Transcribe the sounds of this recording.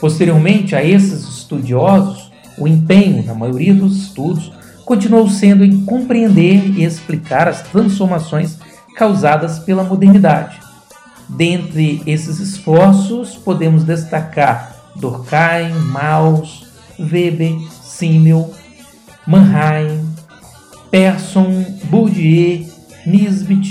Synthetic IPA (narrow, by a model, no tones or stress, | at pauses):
post̪eɾioɾmẽnt͡ʃɪaesɪzɪst̪ud͡ʒiɔzʊs | ʊẽpẽɲʊnɐmajoɾiɐd̪ʊzɪst̪ud̪ʊs | kõnt͡ʃinuowsẽnd̪ʊẽjkõmpɾiẽnd̪eɾiesplikaɾɐst̪ɾɐ̃sfoɾmasõj̃s | kawzad̪ɐspelɐmod̪eɾnid̪a̰d͡ʒɪ̥ | d̪ẽnt̪ɾɪesɪzɪsfɔɾsʊspod̪ẽmʊzd̪est̪akaɾd̪oɾkaj̃maws | vebesĩmew | mɐ̃ɦaj̃ | pɛɾsõbud͡ʒie | mizbit͡ʃ